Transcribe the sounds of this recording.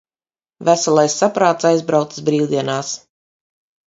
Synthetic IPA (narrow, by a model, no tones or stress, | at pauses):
væsalˠajsːapɾaːt̪sajzbɾawt̪sɨ̥sbɾiːlˠd̪iɛnaːs